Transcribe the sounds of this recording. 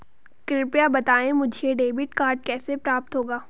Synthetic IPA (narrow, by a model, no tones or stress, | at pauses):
kɾɪpjabɐt̪aːẽmʊd͡ʒʱeɖeːbɪʈkaːɾɖ̚kɛːsepɾaːp̚t̪ɦoːɡaː